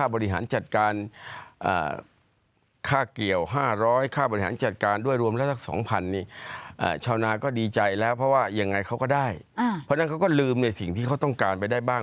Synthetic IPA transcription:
kʰaː˥˩bɔː˧ɾi˧˩ɦa̰ː˩˦nt͡ɕa˨˩t̪̚kaː˧nʔa̰ː˨˩ | kʰaː˥˩kli˨˩əwɦaː˥˩ɾɔː˦˥jkʰaː˥˩bɔ˧ɾi˥ɦa̰ː˩˦nt͡ɕa˨˩t̪̚kaː˧ndu˥˩əjɾu˧əmlɛː˦˥wsʰa˥˩sɔ̰ː˩˦ŋpʰa˧nːiː˧˥˩ʔa̰ː˨˩t͡ɕʰaː˧˩wnaː˧kɔː˥˩diː˧t͡ɕa˧jlɛː˦˥wpʰɔ˦˥waː˥˩ja˧ŋːa˧jkʰa˦˥wkɔː˥˩daː˥˩j | pʰɔ˦˥na˦˥nkʰa˦˥wkɔː˥˩lɯː˧mna˧˩jsi˨˩ŋt̪ʰiː˥˩a˦˥t̪ɔ˥˩ŋkaː˧npa˧jdaː˥˩jbaː˥˩ŋ

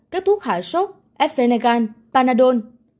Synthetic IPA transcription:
ka˦˥k̚t̪ʰu˦˥ək̚haː˧˩jso˦˥t̚ | ʔɛ˦˥f̚fe˧na˧ɣaː˧npaː˧naː˧ɗo˧n

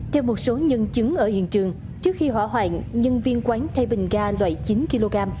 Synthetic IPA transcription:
t̪ʰɛ˧wmo˨˩t̚so˨˦ɲə˧nt͡ɕɨ˨˦ŋʔəː˧˩hḭ˧˨ənt͡ɕɨ˨˩əŋ | t͡ɕɨ˦˥ək̚xi˧ɦwa̰ː˧˩ɦwaː˧˨˩ŋɲə˧nvi˧ənkwaː˨˦nt̪ʰa˧jɓï˨˩ŋ̟ɣaː˧lwa̰ː˧˩˨jt͡ɕi˨˦nki˧lo˧ɣaː˧m

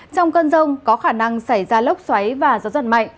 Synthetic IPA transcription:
t͡ɕɔ˧wŋ͡mkə˧nzə˧wŋ͡mkɔ˨˦xaː˧˩na˧ŋsa˧˩jzaː˧lə˦˥wk͡p̚swa˨˦jvaː˨˩zɔ˨˦zə˧˨nma̰˧˨jŋ

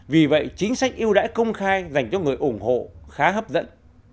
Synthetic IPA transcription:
vi˨˩və̰˧˨jt͡ɕi˨˦ŋ̟sa˦˥jk̟̚ʔi˧əwɗa̰ː˧˥jkə˧wŋ͡mxaː˧jza˨˩jŋ̟t͡ɕɔ˧ŋɨ˨˩əjʔʊ˧˩ŋ͡mho̰˧˨xaː˨˦ɦəː˦˥p̚zə̰˧˥n

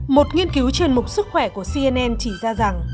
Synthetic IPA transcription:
mo˨˩t̚ŋi˧ənki˨˦wt͡ɕe˧nmʊ˨˩k͡p̚sɨ˦˥k̚xwɛ˧˩ku˧˩əsi˧ʔɛ˧nʔɛ˧nt͡ɕi˧˩zaː˧za˨˩ŋ

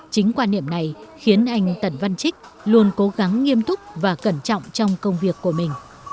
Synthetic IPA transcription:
t͡ɕï˨˦ŋ̟kwaː˧nːḭ˧˨əmna˨˩jxi˨˦ənʔa˧jŋ̟t̪ə˧˩nva˧nt͡ɕï˦˥k̟̚ | lu˧ənko˨˦ɣa˨˦ŋːi˧əmt̪ʊ˦˥k͡p̚vaː˨˩kə˧˩nt͡ɕɔ̰˧˨wŋ͡mt͡ɕɔ˧wŋ͡mkə˧wŋ͡mvi˨˩əkːu˧˩əmï˨˩ŋ̟

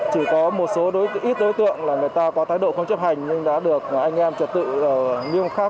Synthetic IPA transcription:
t͡ɕi˧˩kɔ˨˦mo˨˩t̚so˨˦ɗo˨˦˧ʔi˦˥t̚ɗo˨˦jt̪ɨ̰˧˨əŋlaː˨˩ŋɨ˨˩əjt̪aː˧kɔ˨˦t̪ʰaː˨˦jɗo̰˧˨xə˧wŋ͡mt͡ɕə˦˥p̚ha˨˩jŋ̟ɲɨ˧ŋɗa̰ː˧˥ɗɨ˨˩ək̚ʔa˧jŋ̟ʔɛ˧mt͡ɕə˨˩t̚t̪ɨ̰˧˨˩ɲi˧əmxaː˦˥k̚

